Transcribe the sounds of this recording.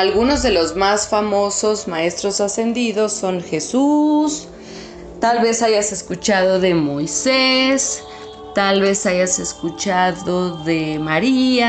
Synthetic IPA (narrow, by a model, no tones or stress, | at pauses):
alɣuno̞zðe̞lo̞zmasfamo̞so̞zmae̞st̪ɾo̞sase̞nd̪iðo̞sːo̞ŋxe̞sus | t̪alβe̞saʝase̞skut͡ʃaðo̞ðe̞mo̞jses | t̪alβe̞saʝase̞skut͡ʃaðoðemaɾia